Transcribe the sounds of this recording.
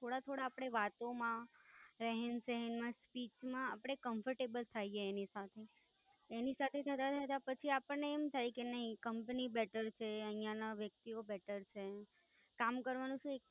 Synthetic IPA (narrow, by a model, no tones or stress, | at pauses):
t̪ʰoɽat̪ʰoɽaːpɽ̃eʋat̪omãɾəɦensəɦɛnmãspit͡ʃmãapɽ̃ekəmfəɾʈebəlt̪ʰajeːnisat̪ʰe | enisat̪ʰet̪ʰət̪at̪ʰat̪apət͡ʃʰiapəneːmt̪ʰajikenəɦikəmpənibɛʈəɾt͡ʃʰeəɦijãnaʋjək̚t̪iobɛʈəɾt͡ʃʰe | kamkəɾʋanũʃũek̚